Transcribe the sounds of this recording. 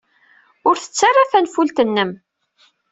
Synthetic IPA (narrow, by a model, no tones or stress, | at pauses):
ʊɾθə̥t͡sːarˤːaθænfult̪ənːəm